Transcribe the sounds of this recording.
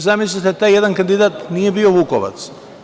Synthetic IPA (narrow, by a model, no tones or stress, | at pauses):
zamis̬lit̪ɛt̪ajɛd̪ankand̪id̪at̪nijɛbiɔvukɔʋa̰t̪s